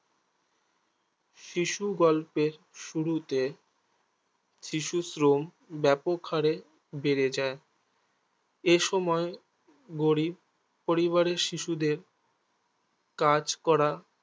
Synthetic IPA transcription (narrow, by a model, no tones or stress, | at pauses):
ʃiʃuɡɔlpeɾ | ʃuɾut̪e | ʃiʃusɾom | bɛpokʰaɾe | beɾed͡ʑae | eʃɔmɔe | ɡoɾib̚ | poɾiβaɾeʃiʃud̪eɾ | kad͡ʑkɔɾa